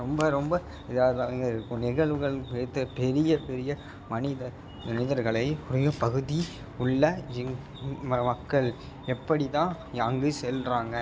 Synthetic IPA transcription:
ɾɔmbɐɾɔmbɐ | ɪðaːðaːŋɡɐɪɾɯkːɯnɪɣɐɭʋɯɣɐɭpeːt̪ːɯpɛɾɪjɐpɛɾɪjɐ | mɐnɪðɐɾ | nɐnɪðɐɾɣɐɭɐɪʊɾɐjɐpɐɣɯði | ʊɭːɐɪŋ | mɐmɐkːɐɭ | ɛpːɐɽɪt̪ãː | jaːŋɡɯsɛlraːŋɡɐ

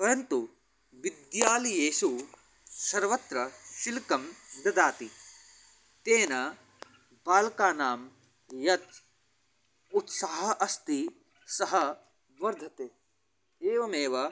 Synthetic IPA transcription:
pɐɾɐnt̪u | ʋid̪jaːlijeːsu | sɐɾʋɐt̪ɾɐʃilkɐmd̪ɐd̪aːt̪i | t̪eːnɐ | baːlɐkaːnaːm | jɐt̪̚ | ut̪saːɦɐʔɐst̪i | sɐɦɐ | ʋɐɾd̪ʱɐt̪eː | eːʋɐmeːʋɐ

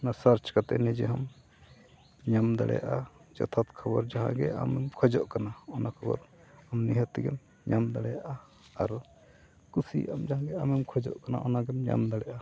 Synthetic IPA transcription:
nasaɾt͡ʃkat̪ɛ̰nɛd͡ʒɛɦɔm | ɲamd̪a̰ɽɛ̰ja̰ʔad͡ʒɔ̰t̪ʰat̪kʰɔbɔɾd͡ʒaɦã̰ɡɛ̰ʔa̰mɛmkʰɔd͡ʒɔʔkanaɔnakʰɔbɔ̰ɾ | amniɦət̪iɡɛ̰m | ɲamd̪aɽɛjaʔa | aɾ | kusiʔamd͡ʒaɦãɡɛamɛmkʰɔd͡ʒɔ̰ʔkana̰ʔɔnaɡɛmɲa̰md̪aɽɛjʔa

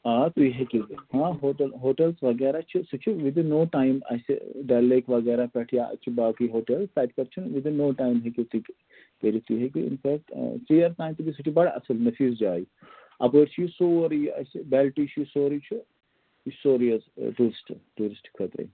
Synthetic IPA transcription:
aːt̪ujɦekihãːɦoːʈɐlɦoːʈelsʋɐɡɛːɾat͡ʃʰisut͡ʃʰiʋid̪inːoːʈaːjmɐ̰sḛɖaleːkʋɐɡɛːɾapɛʈʰijaɐ̰t͡ʃʰibaːkijɦoːʈelpɛːʈkɐɾt͡ʃʰunʋid̪inːoːʈaːjmɦekit̪ik | kəɾit̪ujɦekiḭnfɛːk̚ʈsijɐɾʈaːjmt̪ubisut͡ʃʰibɐɽɐ̰sɐlnɐfiːzd͡ʒaːji | ɐ̰pəːɾt͡ʃʰijsoːɾijɐ̰sibɛlʈit͡ʃʰijsoːɾit͡ʃʰu | isoːɾijɐzʈuːɾisʈʈuːɾisʈkʰɐt̪ɾɐ̰

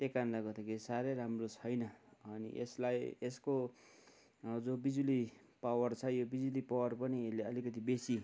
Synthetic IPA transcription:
t̪ekanlaɡʌrd̪akʰeɾisaɾeɾamrot͡sʰʌjnʌʌnḭʔeslajesko | d͡zobid͡zuli | pawʌrt͡sʰʌjobid͡zulipawʌrpʌniesleʌlikʌt̪ibesi

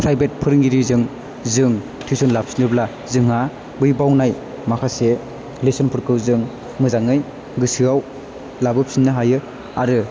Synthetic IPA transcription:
pʰɾajbet̚pʰɯɾɯŋɡiɾizɯŋ | zɯŋ | tʰisɔnlap̚si̥nɯbla | zɯŋɦa | bɯjbawnaj | makʰase | lesɔnpʰɯɾkʰɯwzɯŋ | mɯzaŋɯj | ɡɯsɯaw | labɯp̚sinːɯɦajɯ | aɾɯ

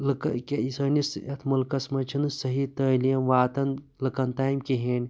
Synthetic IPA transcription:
lɨkɐkʲeisɐːnisɐt̪ʰmɐlkɐsmɐt͡ʃʰinɨsɐɦit̪əːlijɐmʋaːt̪ɐn | lɨkɐnt̪aːjimkiɦeːnʲ

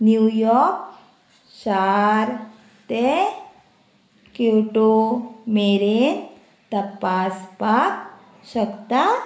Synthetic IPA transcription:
njujɔɾk | ʃaɾ | t̪e | keʈomeɾen | t̪əpːaspak | ɕəkt̪a

